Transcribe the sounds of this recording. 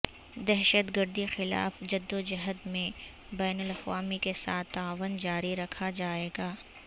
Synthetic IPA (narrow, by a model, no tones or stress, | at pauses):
d̪ɛɦʃət̪ɡəɾd̪ixɪla̰ːfd͡ʒɐd̪ːod͡ʒɐɦəd̪mẽ | bɛːnəlɐqʋaːmikesaːt̪ːaːʋənd͡ʒaːɾiɾɐkʰad͡ʒaːeːɡaː